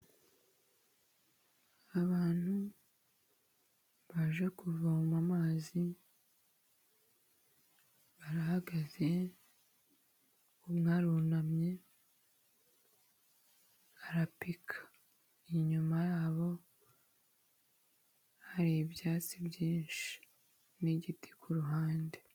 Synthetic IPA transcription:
aβaːn̥hu | βaʒekuvamumamaːzi | βaɾahaɡaze | umŋaːɾunamɲe̞ | aɾapikʰḁ | iɲumajaːβo̞ | haɾibjaːt͡sibjiːnʃi̥ | niɟiti̥kʰuɾuɦaːnde̞

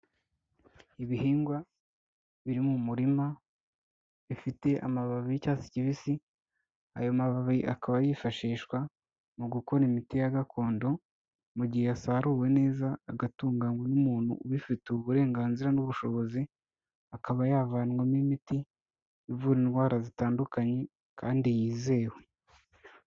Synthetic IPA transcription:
iβihiːŋɡwa | βiɾimumuɾima | βifite̞ʔa̰maβaβiijicaːsi̥ciβisi | a̰jomaβaβiʔa̰kaβajifaʃiːʃkwa | muɡuko̞ɾimitijaɡakʰo̞ːndo̞ | muɟihejasaɾuːwe̞ne̞ːzaːɡatuːŋɡaŋɡwenumuːn̥hṵuβifiteβuɾe̞ːŋɡaːnziɾanuβuʃo̞βo̞zi | akaβajaːvaːnŋomimiti | ivuɾinwaːɾazitaːndukaɲe̞ | kʰaːndijiːze̞ːwe

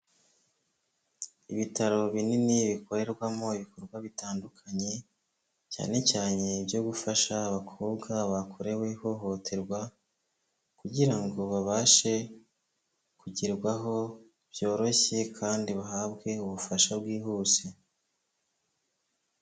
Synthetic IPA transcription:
iβitaɾo̞βininiβiko̞ɾe̞ɾɡwamo̞iβiko̞ɾɡwaβitaːndukʰaɲe̞ | ca̰ːne̞caːne̞bjo̞ɡufaʃaːβakʰoːbɡaβakʰoɾe̞weho̞ɦo̞tʰe̞ɾɡwa | kuɟiɾaŋɡo̞βaβaːʃe̞ | kuɟiɾɡwaɦo̞ | b̥jo̞ːɾo̞çe̞kʰaːndiβaɦaːbɡe̞uβufaʃabɡwiːɦuːse̞

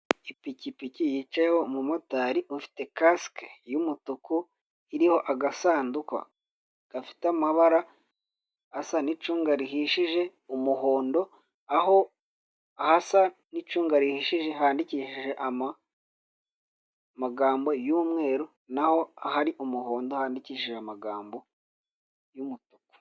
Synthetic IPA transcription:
ipicipicijiːt͡ʃajeho̞mumotaɾiʔufi̥te̞kaskejumutuku | iɾiho̞ʔaɡasaːnduka̰ | ɡ̥afi̥tamaβaɾa | asanit͡ʃuːŋɡaɾiɦiʃiʒe̞umuho̞ːndo̞ | aho̞ | ahasanit͡ʃuːŋɡaɾihiːʃiʒe̞ɦaːndiciːʃiʒe̞ʔaa | maɡaːmbo̞juːmŋe̞ːɾo | naho̞ahaɾiʔumuɦo̞ːndo̞haːndiciːʃiʒeamaɡaːmbo̞ | jumutuku̥

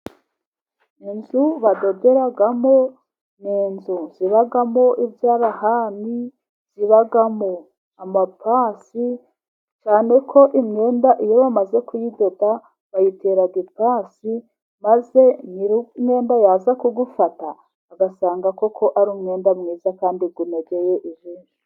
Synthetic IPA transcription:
inzuβado̞de̞ɾaɡamo̞ | niːnzuz̥iβaɡamo̞ʔibjaːɾahani | z̥iβaɡamo | amapasi | t͡ʃaːne̞kʰo̞ʔimŋe̞ːndaʔijo̞βamaze̞kujidoda | βajiteɾaɡipaːsi | maze̞niɾume̞ːndajaːzakuɡufataː | ɡasaːŋɡako̞kʰo̞ʔaɾuːmŋe̞ːndamŋiːzakaːndiɡuneɡejeʔiʒiːnu

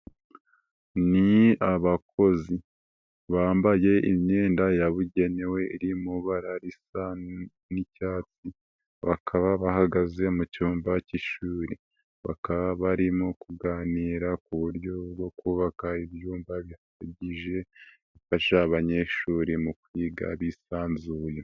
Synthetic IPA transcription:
niaβakʰo̞zi | βaːmbaje̞imɲeːndajaβuɟe̞ne̞we̞iɾimuβaɾaɾisa | nicaːt͡si | βakʰaβaβahaɡaze̞mucuːmbaciʃuːɾi | βa̰kaβaβaɾimokuɡaːniːɾakuβuɾjo̞bɡo̞kuːβakaiβjuːmbaβihaaɟiʒe̞ | βifaʃaβaɲe̞ʃuːɾimukwiːɡa̰βisaːnzuːje

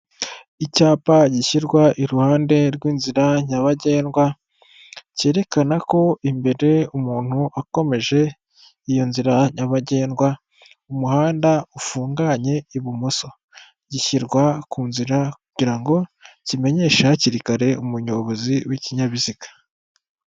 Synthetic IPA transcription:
icaːpaɟiçiɾɡwaʔiɾuhaːnde̞ɾɡwiːnziɾaɲaβaɟe̞ːnɡwa | ce̞ːɾe̞kanako̞imbe̞ɾe̞umuːn̥huʔako̞me̞ʒe̞ | ijo̞nziɾaɲaβaɟe̞ːnɡwa | umuhaːndaufuːŋɡaɲe̞iβumuso̞ | ɟiçiɾɡwakuːnziɾakuɟiɾaŋɡo̞cime̞ɲe̞ːʃaaciɾikaɾe̞umuɲo̞βoziwiciɲaβizikḁ

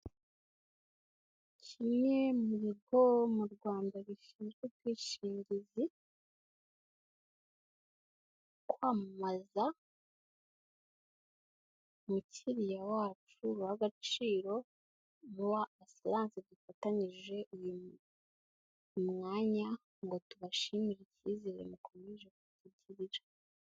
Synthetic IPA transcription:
cʰime̞muβiɡomuɾɡwaːndaβiʃiːnɡeɾɡiːʃiːɲɟizi | kwaːmmaza | mucʰiɾijawaːt͡ʃuhaɡat͡ʃiːɾo̞ | nuwaːsilaːnsidufataɲiʒe̞ʔuju | mŋaːɲa | ŋɡo̞tuβaʃimiɾiciziɾḛmukʰo̞meʒe̞kutuɟiɾiɾa

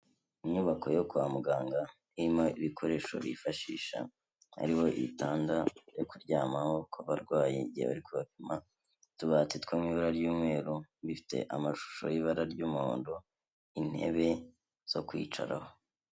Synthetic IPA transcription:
iɲɲuβakʰo̞jokuamuɡaːŋɡa | iimoiβikʰo̞ɾe̞ːʃo̞̰βḭfaʃḭːʃa̰ | a̰ɾiho̞ʔḭtaːndajokuɾɟaːmaho̞kʰoβaɾɡwaːjḭɟieβa̰ɾikuβapima | tuβatetkwomiβaɾaɾjuːmŋe̞ːɾuβifi̥te̞̰ʔamaʃu̥ʃo̞̰ɾiβaɾaɾɟuːmuɾo̰ːndo | in̥he̞̰βe̞ | z̥o̞kwḭːt͡ʃa̰ɾaho̞

